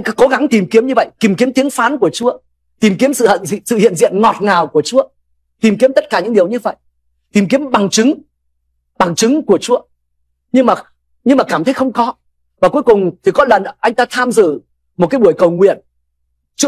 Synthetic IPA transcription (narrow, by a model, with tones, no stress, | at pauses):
ko˨˦ɣa˨˦ŋt̪i˨˩mki˨˦əmɲɨ˧və̰˧˨jt̪i˨˩mki˨˦əmt̪i˨˦əŋfaː˨˦nku˧˩ət͡ɕu˨˦ə | t̪i˨˩mki˨˦əmsɨ̰˧˨˧sɨ̰˧˨hḭ˧˨ənzḭ˧˨ənŋɔ˨˩t̚ŋaː˨˩wku˧˩ət͡ɕu˨˦ə | t̪i˨˩mki˨˦əmt̪ə˦˥t̚kaː˧˩ɲɨ̰˧˥ŋɗi˨˩əwɲɨ˧və̰˧˨j | t̪i˨˩mki˨˦əmɓa˨˩ŋt͡ɕɨ˨˦ŋ | ɓa˨˩ŋt͡ɕɨ˨˦ŋku˧˩ət͡ɕu˨˦ə | ɲɨ˧ŋmaː˨˩ | ɲɨ˧ŋmaː˨˩kaː˧˩mt̪ʰə˨˦jxə˧wŋ͡mkɔ˨˦ | vaː˨˩ku˨˦əjkʊ˨˩ŋ͡mt̪ʰi˨˩kɔ˨˦lə˨˩nʔa˧jŋ̟t̪aː˧t̪ʰaː˧mzɨ̰˧˨ | mo˨˩aː˨˦ɓu˧˩əjkə˨˩wŋwḭ˧˨ən | t͡ɕu˧˦